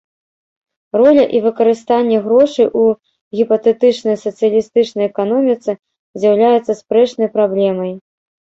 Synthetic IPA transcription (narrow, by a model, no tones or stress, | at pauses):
rɔlʲɐʔivɨkɐɾɨst̪anʲːɛɣɾɔʂɨʔu | ɣʲipɐt̪ɛt̪ɨt͡ʂnɐjsɐt̪sɨjɐlʲist̪ɨt͡ʂnɐjɛkan̪ɔmʲit̪sɨ | zʲjawlʲajɛt̪sːɐspɾɛt͡ʂnɐjpɾablʲɛmɐj